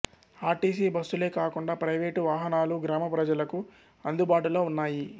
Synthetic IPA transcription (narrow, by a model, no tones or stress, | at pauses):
aːʈiːsiːbɐsule̞ːkaːkuɳɖaːpɾɐjʋeːʈʋaːɦɐnaːluɡɾaːmɐpɾɐd͡ʒɐlɐku | ɐnd̪ubaːʈulo̞ːunːaːji